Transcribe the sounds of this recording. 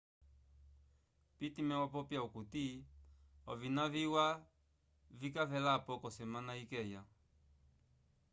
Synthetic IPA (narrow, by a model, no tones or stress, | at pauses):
pitimɛwapɔpjaukuti | ɔvinaviwa | vikavɛlapɔkɔsɛmanaikɛja